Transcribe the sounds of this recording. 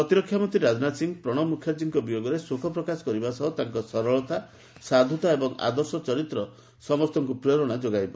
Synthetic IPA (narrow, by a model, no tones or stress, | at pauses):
pɾɔt̪iɾɔkʰːjamɔnt̪iɾad͡ʒɔnasiŋpɾɔɽ̃ɔmukʰjaɾd͡ʒiŋkɔbijoɡɔɾesukʰɔpɾɔkasɔ̥kɔɾibasɔɦɔt̪aŋkɔsɔɾɔɭɔt̪a | sad̪ʱut̪aebɔŋa̰d̪ɔsɔt͡ʃɔɾit̪ɾɔ | sɔmɔst̪ʰɔŋkupɾeɾɔɽ̃ad͡ʒoɡajbɔ